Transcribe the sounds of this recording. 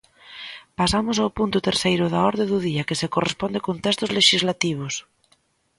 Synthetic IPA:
pasamosawpunt̪ʊt̪eɾsejɾʊðaɔɾðeðuðiakesekorespɔnd̪ekont̪ɛst̪ozleʃizlat̪iβ̞os

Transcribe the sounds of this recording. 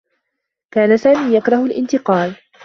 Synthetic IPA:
kaːnasaːmiːjakɾˤɑhʊlʔɪ̰nt̪ɪqɑːl

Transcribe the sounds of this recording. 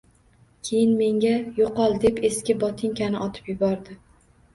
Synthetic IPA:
kʲʰe̞jɪnme̞ŋɡʲajoqɒlˠd̪e̞pe̞skʲɪbɒt̪ʰɪŋkʲʰanɪʔɒt̪ʰɪ̥pjʊbɒɾd̪ɪ

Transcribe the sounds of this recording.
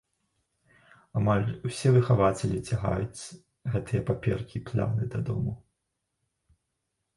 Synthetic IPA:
amalʲwsʲɛvɨxavat͡sʲɛlʲit͡sʲaɣa̰jut͡sʲ | ɣɛt̪ɨjɐpapʲɛrkʲiplʲa̰nɨd̪ɐd̪ɔ̰mu

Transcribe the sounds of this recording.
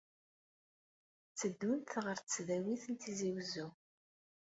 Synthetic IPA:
t͡sːəd̪ːunt̪ʁəɾt͡sːðæwiθənt̪iziwzu

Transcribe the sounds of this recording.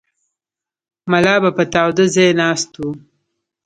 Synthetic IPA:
malɑːbapət̪ɑːwd̪əzejnɑːst̪u

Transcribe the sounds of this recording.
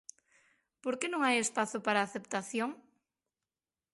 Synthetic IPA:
poɾkenõŋajespaθopaɾaːθept̪aθjoŋ

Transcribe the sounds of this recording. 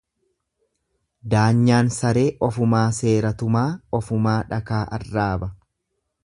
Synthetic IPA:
d̪aːɲːaːnsɐɾe̞ːʔɔfʊmaːse̞ːɾɐt̪ʊmaːɔfʊmaːᶑɐkaːʔɐ̰rːaːbɐ

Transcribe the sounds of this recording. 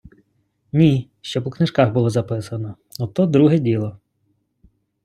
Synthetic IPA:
nʲi | ʃt͡ʃɔpɔknɪʒkɑɣbulˠɔzɐpɪsɐnɔ | ɔt̪ɔd̪ɾuɦɛdʲilˠɔ

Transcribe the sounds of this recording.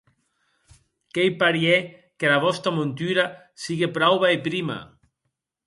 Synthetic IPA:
kejpaɾiekelaβɔst̪ɾamont̪yɾa | siɣepɾawβaepɾima̰

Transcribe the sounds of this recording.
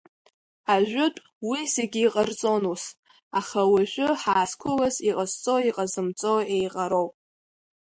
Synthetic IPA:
aʒᶣʊtʼ | wise̞ɡʲiːqʼərt͡sʼonus | aχawaʒʷᶣʊħaːskʷʰʊlasiqʼəzt͡sʼo̞iqʼazɨmt͡sʼoejqʼaɾowpʼ

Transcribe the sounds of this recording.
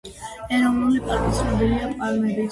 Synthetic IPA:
ɛɾɔvnulipʼat̪ʼisɾɛbɛliapʼalmɛbi

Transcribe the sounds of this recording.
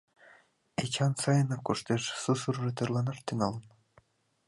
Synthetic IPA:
et͡ɕɑnsɑjɤ̆nɑkuʂt̪eʃsusuɾɾɤt̪ɯ̆rlˠɑnɑʃt̪yŋɑlˠɤn

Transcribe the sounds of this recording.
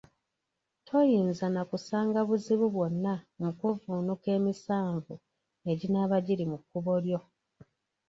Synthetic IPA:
tʰo̞jiːnzanakusaːŋɡaβuziβuβwo̞nːamukuvunuke̞ːmisaːɱvu | e̞ɟinaːβaɟiɾimukːuβo̞ɾjo̞

